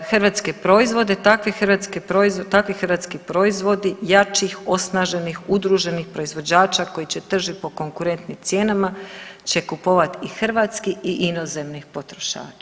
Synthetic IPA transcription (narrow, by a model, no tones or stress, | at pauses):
xrʋaːt̪ske̞pɾo̞izʋo̞d̪et̪akʋixrʋat̪skepɾoizt̪akʋixəɾʋat̪skipɾo̞izʋo̞d̪ijat͡ʃixo̞snaʒe̞nixud̪ɾuʒe̞nixpɾo̞izʋo̞d͡ʑaːt͡ʃako̞it͡ɕe̞t̪r̩ʒit̪̚po̞ko̞ŋkuɾe̞nt̪nimt̪sje̞ːnamat͡ɕe̞kupo̞ʋat̪ixr̩ʋat̪skiiʔino̞ze̞mnixpo̞t̪ɾo̞ʃa̰ːt͡ʃḁ